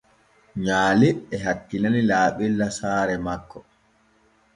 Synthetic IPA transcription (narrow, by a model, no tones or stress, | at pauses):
ɲaːliɛhatːinanilaːɓilːasaːɾɛmakːɔ